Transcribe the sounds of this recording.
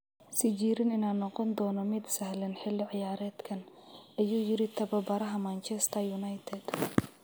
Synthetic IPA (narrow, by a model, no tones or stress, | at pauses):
sɪd͡ʒiːɾɪnɪnaːnːɔqɔnd̪ɔːnɔmɪd̪sɐhlɛnħɪlːɪʕɪjaːɾɛːd̪kʰɐnʔɐjuːjɪɾɪt̪ʰɐbɐbɐɾɐɦɐmant͡ʃʰɛst̪ʰɐjunɐjt̪ʰɛd̪̥